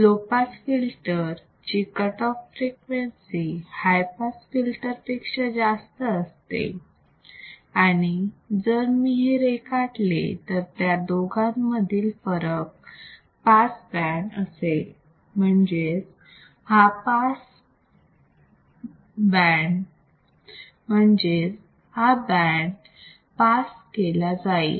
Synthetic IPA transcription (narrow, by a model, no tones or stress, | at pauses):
lopasfilʈəɾ | t͡ɕikəʈɔfːɾekʋensihajpasfilʈəɾpikʂəd͡zast̪əːst̪ḛ | aɽ̃id͡zəɾmiɦiɾekaʈlḛt̪əɾt̪jad̪oɡʱãmːəd̪ʱiːlfəɾək̚ | pasbæɳəse | m̤əɳd͡ʑed͡z | hapas | bæɳ | m̤əɳd͡ʑed͡z | habɛɳ | paskelad͡zaḛ